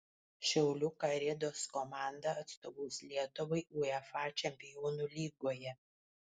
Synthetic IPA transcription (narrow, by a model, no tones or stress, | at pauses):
ʃʲɛʊlʲʊkɐɾʲɪd̪oːskɔmɑˑnd̪ɐɐt̪st̪oːʋɐːslʲiɛt̪ʊʋɐɪʔuɛfɑːt͡ʃʲɛmʲpʲɪjoːnuːlʲiːɡoːjɛ